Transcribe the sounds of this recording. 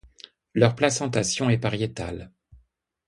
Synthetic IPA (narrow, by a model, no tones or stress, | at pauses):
lœʁplasɑ̃t̪asjɔ̃ɛpaʁjet̪a̰l